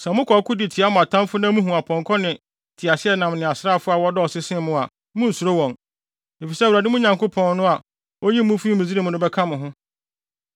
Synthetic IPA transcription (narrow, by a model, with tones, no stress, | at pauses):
sɛ̃˨mʊ̃˦kʰɔ˨˦kʰʊ˦dɪ˨tʰɪ˨a˦mʊ̃˨a˨tʰã˦mfʊ˦nã˦mũ˦ɦũ˨a˨pʰɔ̃˨ŋkʰɔ˦nɪ̃˨ | tʰɪ˨a˨sɪ˦ɛ˦nã˨mnɪ̃˨a˨sɾa˦˨fʊ˦a˨wɔ˦dɔ˦ɔ˨sɪ˦sɪ̃˦mʊ̃˦˨a˨ | mʊ̃˦n̩˨su˨ɾo˦wɔ̃˨n | e˨fi˨sɛ˦˨wɾa˨dɪ˦mʊ̃˦ɲã˨ŋko˦pʰɔ̃˨nnʊ̃˦a˨ | ɔ˦ji˦mũ˦fi˦mĩ˨zi˦ɾi˦mʊ̃˨nʊ̃˦bɛ˦kʰã˦mʊ̃˨ɦʊ̃˦